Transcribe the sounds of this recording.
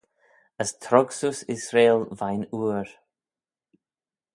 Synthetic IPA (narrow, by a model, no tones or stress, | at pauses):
əst̪ʰɾɔɡsusɪsɾeːlvajnuːɹ